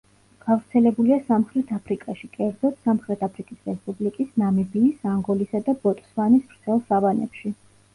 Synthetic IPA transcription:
ɡ̥avɾt̪sʰɛlɛbuliasamχɾɛt̪ʰapʰɾikʼaʃikʼɛɾd̪zɔt̪ʰsamχɾɛt̪ʰapʰɾikʼisɾɛspʼublikʼisnamɛbiːsaŋɡɔlisad̪abɔt̪ʼsmanismɾt̪sʰɛlˠsavanɛ̰pʃi

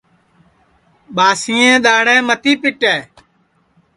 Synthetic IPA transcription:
ɓaːsɪːẽːɗ̪aːɽɛ̃ːmət̪iːpɪʈɛː

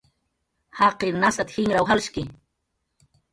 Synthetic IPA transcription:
hɑqɪɾnasat̪hɪŋɾawɦalʃkɪ

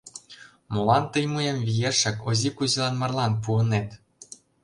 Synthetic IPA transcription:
molˠɑnt̪ɤjmujemvʲijeʃɑkozikuzilˠɑnmɑrlˠɑnpuɤ̆net̪

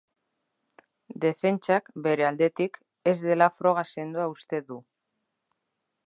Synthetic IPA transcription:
d̪e̞fe̞nt͡ʃakbe̞ɾe̞ald̪e̞t̪ik | e̞zðe̞lafɾo̞ɣ̞ase̞nd̪uaust̪e̞ðu

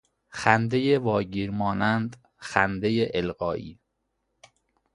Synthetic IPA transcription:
xænd̪ejevɒːɟiːɾmɒːnænd̪ | xænd̪ejeʔelɣɒːʔḭː

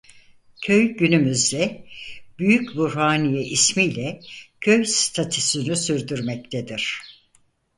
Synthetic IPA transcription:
cʰøjɟynymyzd̪ɛb̥yjycbuɾhaːnijɛʔismijlʲɛcʰø̞jst̪ʰat̪ʰysynysyɾd̪yɾmɛc̚t̪ʰed̪iɾ̥

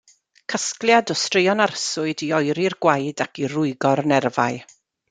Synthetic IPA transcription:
kʰəskljadɔstrejɔnarsʊɨdiɔjɾirɡwajdakirʊɨɡɔrnɛrvaj

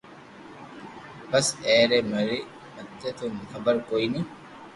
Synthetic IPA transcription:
bɐseːɾɛmɐɾɪ | mɐt̪ːɛt̪ʊnhɐbɐɾkɔjnɪ

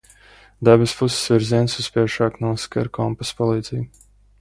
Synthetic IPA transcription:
d̪abɨspussvʲiɾziɛnsuspʲiɛʃaːknuɔska̰ɾkɔmpaspɔlˠiːd̪zij

